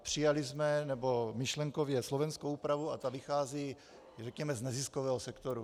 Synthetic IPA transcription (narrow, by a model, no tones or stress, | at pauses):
pr̝̥ɪjalɪzmɛnɛbo̞mɪʃlɛŋkovjɛslovɛnskowuːpɾavuat̪avɪxaːziː | rɛkɲɛmɛznɛziskovɛːɦosɛkt̪oɾu